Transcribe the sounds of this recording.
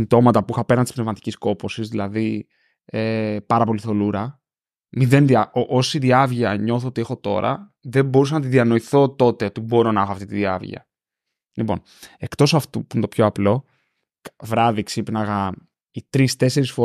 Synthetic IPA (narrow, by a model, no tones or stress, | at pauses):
ind̪o̞mɐt̪ɐpuixɐpe̞ɾnɐnt̪ispnevmɐt̪i̥cisko̞po̞sizðilɐði | epɐɾɐpo̞liθo̞luɾɐ | miðe̞nðiɐoʔosiðiɐvʝɐɲo̞θoot̪ie̞xo̞t̪o̞ɾɐ̰ðe̞mbo̞ɾus̬ɐnɐt̪iðiɐno̞iθo̞t̪o̞t̪e̞o̞t̪ibo̞ɾo̞nɐexoɐft̪it̪iðiɐ̰vʝɐ̰ | lipo̞̰n | e̞kt̪o̞sɐft̪upuint̪opço̞ɐplo̞ | kvɾɐðiksipnɐɣɐ | it̪ɾist̪e̞se̞ɾisfo